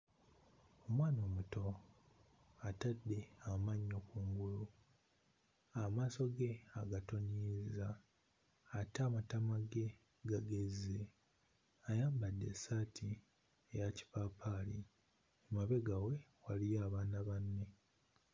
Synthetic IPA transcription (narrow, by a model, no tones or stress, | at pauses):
omwaːno̞ːmuto̞ | atadːe̞amaɲːo̞kuːŋɡulu | amaːso̞ɡe̞aɡato̞nizaː | taːmatamaɡe̞ | ɡaɡeze | ajaːmbadːe̞saːtʰi | ejaci̥paːpʰali | emaβe̞ɡawe̞walijaːβaːnaβanːe̞